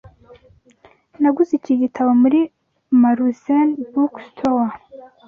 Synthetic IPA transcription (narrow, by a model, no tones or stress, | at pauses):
naɡuziciɟitʰaβomuɾi | maɾuzenbukstʰowa